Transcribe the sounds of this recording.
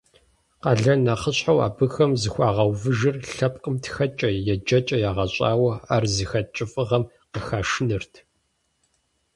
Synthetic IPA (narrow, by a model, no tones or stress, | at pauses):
qɐɮɐnɐχəɕħawa̰ːbɨxɐmzɨxʷɑːʁɐwvɨʒɨrɬɐpqʼəmtʰxɐt͡ʃʼɐjɛd͡ʒɐt͡ʃʼɐjaːʁɐɕʼa̰ːwɐaːrzɨxɐt͡ʃʼɪfʼɨʁɐm | qəxaːʂnɨrtʰ